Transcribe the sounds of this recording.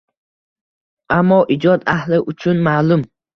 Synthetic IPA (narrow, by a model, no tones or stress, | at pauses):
ʔamːɒʔid͡ʒɒd̪ahlɪʔʊt͡ʃʰʊnmaːlʊm